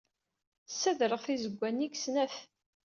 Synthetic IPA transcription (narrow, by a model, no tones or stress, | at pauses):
sːæðɾəʁθizəɡʷːænːiɡsnæθ